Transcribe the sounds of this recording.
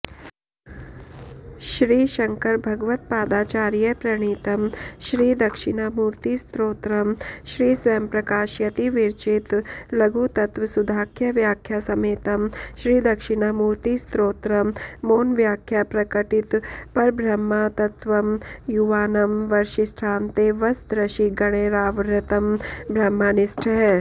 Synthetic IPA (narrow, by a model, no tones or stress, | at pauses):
ʃɾiːʃɐŋkɐɾbʱɐɡʋɐt̪paːd̪aːt͡ʃaːɾjɐpɾɐɳ̃iːt̪ɐmʃɾiːd̪ɐkʃiɳɐmuːɾt̪ist̪ɾoːt̪ɾɐmʃɾiːsʋɐjmpɾɐkaːʃjɐt̪iʋiɾt͡ʃit̪lɐɡut̪ɐt̪ʋɐsud̪ʱaːkʰjɐʋjaːkʰjasɐmeːt̪ɐmʃɾiːd̪ɐkʃiɳɐmuːɾt̪ist̪ɾoːt̪ɾɐmmoːnʋjaːkʰjapɾɐkɐʈit̪pɐɾbʱɾɐmːat̪ɐt̪ʋɐmjuʋaːnɐmʋɐɾʃisʈʰaːnt̪eːʋɐsd̪ɾɐʃiɡɐɽ̃eːɾaːʋɾɐt̪ɐmbʱɾɐmːaːnisʈʰɐ